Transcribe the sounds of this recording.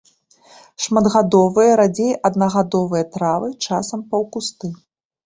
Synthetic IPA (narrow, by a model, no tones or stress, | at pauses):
ʂmɐd̪ɣad̪ɔvɨjɐɾad͡zʲejʔɐd̪nɐɣad̪ɔvɨjɐt̪ɾavɨt͡ʂasɐmpɐwkust̪ɨ